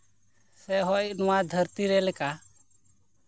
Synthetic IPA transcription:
sɛɦɔjʔnɔwad̪ʱəɾt̪iɾɛlɛka

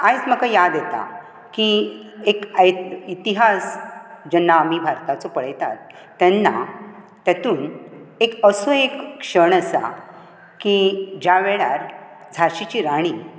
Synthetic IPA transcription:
ajt͡sməkajad̪jet̪a̰ | kiekjit̪iɦasd͡ʑɛnːaəmibʱaɾt̪at͡sɔpəɭ̤jt̪a̰t̪ː | ɛnːa̰ | t̪at̪uːnekəsoekːʂəɳəsa̰ | kid͡ʑjaʋeɭaɾ | d͡zʱaɕit͡ɕiːɾaɽ̃i

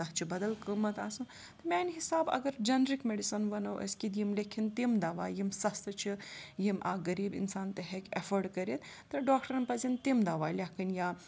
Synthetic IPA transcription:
ɐɦt͡ʃʰibɐd̪ɐlkəmɐt̪aːsũ | t̪ɐmʲaːnɦisaːbɐ̰ɡɐɾd͡ʒɐnɾikmeɖisɐnʋɐnɐwʔɐ̰skid̪jimlʲekʰint̪imd̪aːʋa̰ːjimsɐst̪ɐt͡ʃʰijima̰ːɡɐɾiːbḭnsaːnt̪ɐɦekʲefəɾɖkɐɾit̪t̪ɐɖaːk̚ʈəɾɐnpɐzint̪imd̪aːʋaːlʲakʰɐnjaː

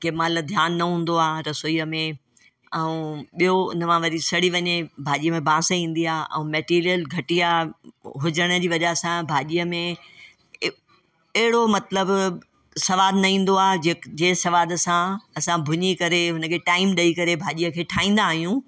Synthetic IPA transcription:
kemalɐd̪ʱjaːnːɐɦũːn̆d̪oaːɾɐsoiːəmẽ | ɛ̃ũɓijoʊ̰nəmãʋɐɾisɐɽiʋɐɲebʱaːʄijəmẽbʱãːseĩːn̆d̪iaːʔɛ̰̃ːmɛːʈiːɾijəlɡʱɐʈijaɦʊd͡ʑəɽ̃ə̆d͡ʑiːʋɐʄaɦsãbʱaːʄijəmẽ | ɐɦɪɽomɐt̪ləb | sɐʋaːd̪nɐĩːn̆d̪oaːd͡ʑeːd͡ʑeːsɐʋaːd̪sãɐsãbʱʊɲikɐɾeɦʊnə̆kʰeːʈaːɪmɗɐikɐɾebʱaːʄijəkʰeːʈʰaːĩːnd̪aːɦijũ

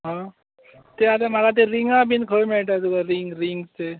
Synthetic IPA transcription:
ɦã | t̪eat̪am̤aɡat̪̬eɾiŋɡabinkʰəmeɭʈat̪uɡaɾiŋɡɾiŋɡt̪e

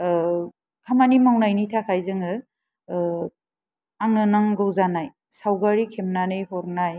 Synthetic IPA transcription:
kʰamanimawnajnitʰakʰajzɯŋɯ | aŋɯnaŋɡɯwzanaj | sawɡaɾikʰemnanɯjhɔɾnaj

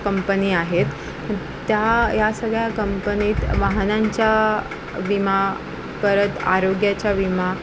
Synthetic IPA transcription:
kəmpəniːaɦet̪ | ə | t̪ːjajasəɡɭjakəmpəniːt̪ʋaɦnaɲt͡ɕja | ʋima | pəɾət̪a̰ɾoɡjat͡ɕjaʋima

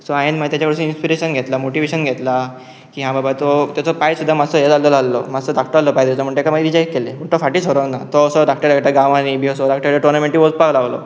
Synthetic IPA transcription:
sɔajənmat̪at͡ɕakəɽsẽinspiɾeɕənɡʱet̪lamoʈiʋeɕənɡʱet̪la | kiːɦãbabat̪ot̪jat͡sɔpajsud̪ʱːamad͡zsɔjed͡zallɔlalːɔmasɔd̪ak̚ʰʈɔalːɔpajd̪et͡sɔm̤əɳʈekamaid̪id͡ʑaikːeleməɳt̪ɔfaʈiːsoɾonat̪ɔːsɔɖak̚ʈəɾakʈaɡãʋãnibʱiəsɔɖakʈəɾɾaʈuɾnamẽɳʈiʋopaʋlaʋlɔ̰

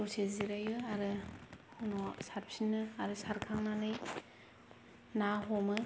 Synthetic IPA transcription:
oseziɾajɯaɾɯ | nɔsaɾpsinɯaɾɯsaɾkʰaŋnanɯj | naɦɔmɯ

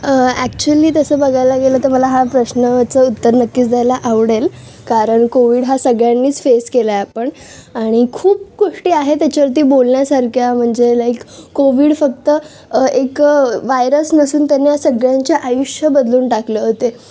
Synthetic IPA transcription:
əæk̚t͡ɕuəliːt̪əsəːbəɡʱajlaɡeləːt̪əɾməlaɦapɾəɕnət͡səut̪ːəɾnəkːiːt͡sd͡zʱajlaʔaʋɽel | kaɾəɳkoʋiːɽɦasəɡɭjanːiːt͡sfeskelaapəɳ | aɽ̃ikʰuːp̚koʂʈiːaɦet̪jat͡ɕaʋəɾt̪̬iːbolnjasaɾkʰjam̤əɳd͡zelajkːoʋiːɽfək̚t̪ə | ekʋajɾəsnəsuːnt̪janːjasəɡɭjaɲt͡ɕaʔajuʂjəbəd̪luːnʈakləɦot̪e

